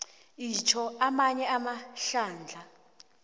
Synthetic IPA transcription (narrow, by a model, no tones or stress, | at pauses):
it͡ʃʰɔamaɲɛamaɬaːnd͡ɮʱa